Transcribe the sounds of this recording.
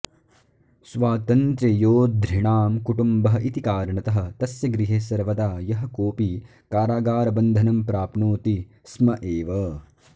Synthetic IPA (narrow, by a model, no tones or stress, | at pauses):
sʋaːt̪ɐnt̪ɾɐjoːd̪ʱɾiɳaːmkuʈumbɐɦɐʔit̪ikaːɾɳɐt̪ɐɦɐ̆t̪ɐsjɐɡɾiɦesɐɾʋɐt̪aːjɐɦɐ̆koːpi | kaːɾaːɡaːɾɐbɐnd̪ʱɐnɐmpɾaːpnoːt̪i | smɐʔeːʋɐ